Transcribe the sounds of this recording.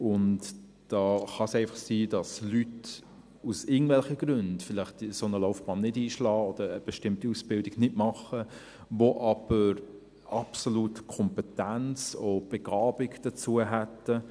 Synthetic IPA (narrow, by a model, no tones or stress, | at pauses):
ʊnt | d̥ɑːχɑsɛɪfɑχsiːd̥ɑslyt | usɪɡətvɛlχəɡ̥ɾʏndfɪlɪχtsonəloʊfb̥ɑːnːɪdiːʃlɑːɔd̥̪əɾəb̥ɛʃtɪmtiusb̥ɪldɪɡnɪtmɑχə | voʔɑb̥əɾ | ɑpsolutkʰɔmpɛtænt͡sob̥ɛɡ̥ɑːb̥ɪɡd̥ət͡suəɦɛtːə